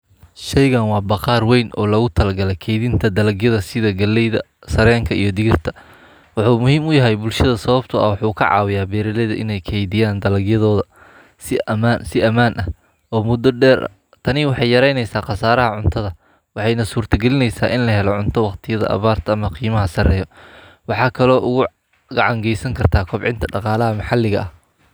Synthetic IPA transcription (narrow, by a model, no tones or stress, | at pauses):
ʃɛjɣɐnwɑːbɑqɑːrwɛjnʔɔ̰ːlɐɣʊt̪ʰɐlɐɡɐlɛkʰɛːjðɪnt̪ʰɐd̪ɐlɐɡjɐðɐsɪðɐɡɐlːɛjðɐ | sɐɾɛːŋkʰɐʔijɞd̪ɪɣɪrt̪ʰɐ | wɑħuːmʊhiːmʊjɐɦɛjbʊlʃɐðɐsɐβɐbt̪ʰʊɐ̰wɑħuːkʰɐ̰ʕɑ̰ːwɪjaːbɛːɾɪlɛðɐʔɪ̰nɛjkʰɛːjðɪjaːnd̪ɐlɐɡjɐðɔːðɐ | sɪmansɪʔɐmaːnʔɐ | ɔːmʊd̪ːɔɖɛːɾʔɐ̰ | t̪ʰɐnɪwɑħɑjjɐɾɛjnɛjsaːqɑsaːɾɐɦɐʕʊnt̪ʰɐðɐ | wɑħɑjnɐsuːrt̪ʰɐɡɛlɪnɛjsaːʔɪnlɐɦɛlɔʕʊnt̪ʰɔwɑqt̪ʰɪjɐðɐ̰ʔɐ̰βaːrt̪ʰɐːmɐqiːmɐɦɐsɐrɛːjɔ | wɑħɑːkʰɐlɔːʔʊɣʊ | ɡɑʕɑŋɡɛjsɐŋkʰɐrt̪ʰaːkʰɔbʕɪ̰nt̪ʰɐɖɑqɑːlɐɦɐmɑħɑlːɪɣɐʔɐh